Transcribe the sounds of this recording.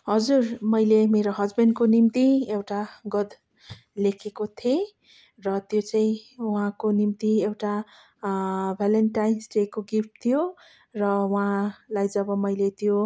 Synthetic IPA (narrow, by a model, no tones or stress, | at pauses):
ɦʌd͡zurmʌjlemeɾoɦʌd͡zbenkonimt̪iewʈaɡʌd̪ | lekʰekot̪ʰe | rʌt̪jot͡saĩuɦãkonimt̪iewʈa | bʱalenʈajnsʈekoɡip̚t̪ʰijo | rʌuɦãlajd͡zʌbʌmʌjlet̪jo